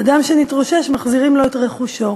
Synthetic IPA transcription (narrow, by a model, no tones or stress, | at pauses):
adamʃe̞nitʁoʃe̞ʃmaχziʁimlo̞etʁeχuʃo̞